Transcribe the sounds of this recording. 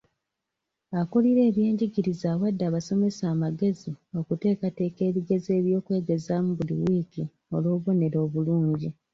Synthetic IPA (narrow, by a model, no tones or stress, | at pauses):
akuliɾe̞ːβje̞ːɲɟiɟiɾizaːwadːaːβaso̞me̞saːmaɡe̞zio̞kute̞ːkate̞ːke̞ːβiɡe̞ze̞ːβjo̞ːkwe̞ːɡe̞zaːmuβulḭwiːki | o̞loːβo̞ne̞ɾo̞ːβuluːɲɟi